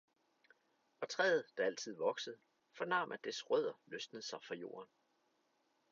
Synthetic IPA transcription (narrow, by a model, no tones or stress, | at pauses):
ɒ̽t͡sʰʁɛːð̩ˠd̥ɑ̈æl̰t͡sʰið̞̰ˠʋɒ̽ɡ̥səð̩ˠ | fɒ̽nɑ̈mʔæd̥esʁœð̞̰ˠɐløsd̥n̩əð̩ˠsɑ̈ɪfʁɑ̈jo̝̰ːɐn